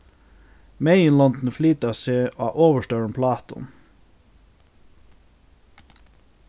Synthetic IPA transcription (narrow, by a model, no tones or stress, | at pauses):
meɪənlɔnd̪n̩flyːt̪ɑseːʔɑ̰ːʔoːʋəʃʈœɹənpʰlɑːt̪ɔ̰n